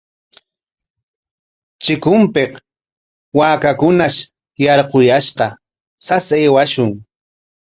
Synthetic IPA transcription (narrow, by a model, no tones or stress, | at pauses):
t͡ʃɪkʊmpeq | waːkakʊnaʃ | jɑɾqojaʃqɑ | saseːwaʃʊŋ